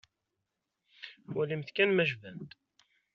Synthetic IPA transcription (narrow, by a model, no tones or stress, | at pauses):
wælimθkænmæʒvænt̪